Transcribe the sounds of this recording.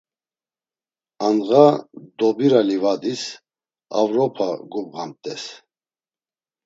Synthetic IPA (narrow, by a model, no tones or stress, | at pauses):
anɣad̪ɔbiɾalivad̪is | a̰vɾɔpʰaɡubʁamt̪ʼɛs